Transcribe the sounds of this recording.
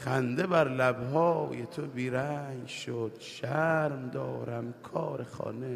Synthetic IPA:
χænd̪ebæɾlæbɦɒːjet̪ʰobiːɾæŋɡʃod̪̥ʃæɾmd̪ɒːɾæmkʰɒːɾexɒ̰ːne

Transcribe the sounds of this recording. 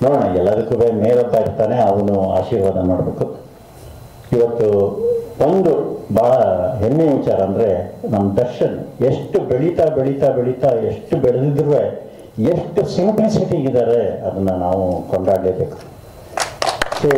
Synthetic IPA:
noːɽɐːɳaɛlːɐd̪ɐkːuːʋeːmeːɾod̪ːaːjiɾt̪aːne̞ɐʋɐnua̰ːʃiːɾʋaːd̪ɐnoːɽbe̞ːku | iʋɐt̪ːu | o̞nd̪ubaːɭɐɦenːeʋit͡ʃaːɾɐːnd̪ɐɾe̞nɐmːɐd̪ɐɾʂɐneʂʈubeɭit̪aːbeɭit̪aːbeɭit̪aːeʂʈːubɛɭɐd̪id̪iɾʋe | eʂʈusimplisiʈiɡid̪aːɾe̞ɐd̪ɐnːɐnaːʋukoɳɖaːɡleːbe̞ːku̥ | so

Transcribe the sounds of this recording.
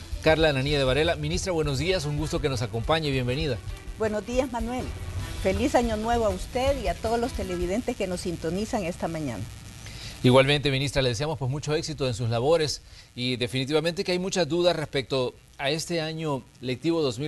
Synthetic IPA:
kaɾlananieðe̞βaɾe̞lamĩnist̪ɾaβweno̞zðiasuŋɡust̪o̞ke̞no̞sako̞mpaɲeβje̞mbe̞niðabwe̞nozd̪iazmanwe̞lfe̞lisaɲo̞nwe̞βoaust̪e̞ðiat̪oðolost̪e̞le̞βiðe̞nt̪eskeno̞sint̪onisaŋe̞st̪amãɲã̰na | iɣwalment̪e̞minist̪ɾaleðes̬iamospwe̞smut͡ʃo̞e̞ksit̪oensuslaβo̞ɾe̞sid̪e̞finit̪̬iβament̪e̞keajmut͡ʃazd̪uðasre̞spe̞k̚t̪o̞ | ae̞st̪e̞aɲo̞ | lek̚t̪iβo̞ðo̞zmi

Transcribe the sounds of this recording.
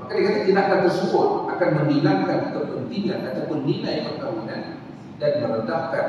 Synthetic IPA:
kalikat̪at̪inakant̪ərsəbʊt̪̚ʔakanməmbilaŋkankik̪əp̚pənt̪iŋanat̪awpʊnːilajkərkawinan | danməmənt̪ahka

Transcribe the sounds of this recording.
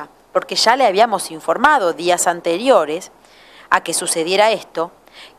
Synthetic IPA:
po̞ɾkeʒaleaβiamo̞siɱfo̞ɾmaðo̞ðiasant̪eɾjo̞ɾes | ake̞suseðjeɾaest̪o̞

